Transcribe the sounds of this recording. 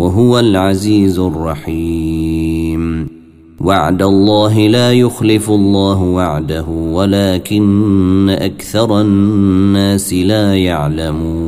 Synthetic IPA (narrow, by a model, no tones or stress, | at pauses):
waɦʊwalʕaziːzʊrˤːɑħiː | m | waʕd̪alˤːɑːɦɪlaːjʊxlɪflˤːɑːɦʊwaʕd̪aɦʊwalaːkɪnːaʔakθɑɾˤɑnːaːsɪlaːjaʕlamuː